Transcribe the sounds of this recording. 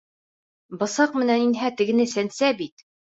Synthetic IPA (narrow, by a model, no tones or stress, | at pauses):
bɤ̆sɑq̚mɘ̆næninɦæt̪ɘ̆ɡɘ̆nɘsænsæbit̪̚